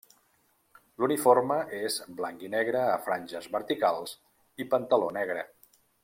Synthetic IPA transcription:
lunifoɾməʔezblaŋkinɛɣɾəːfɾanʲʒəzβəɾt̪ikalˠz | ipənt̪əlonɛɣɾə

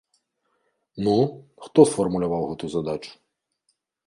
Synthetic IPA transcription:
nuxt̪ɔsfɔrmʊlʲʊʋɑwɦɔt̪ʊzɐd̪at͡ʃʊ̥

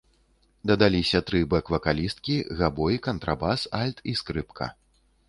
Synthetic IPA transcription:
d̪ɐd̪alʲisʲɐt̪ɾɨbɛkvɐkalʲist̪̚kʲiɣabɔjikɐnt̪ɾabasalʲt̪iskɾɨpkʰɐ̰

